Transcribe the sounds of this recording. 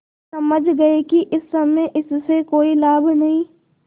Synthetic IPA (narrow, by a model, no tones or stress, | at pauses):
sɐməd͡ʒʱɡɐekiʔɪsːɐmeʔɪsːekoːilaːbnɐɦĩː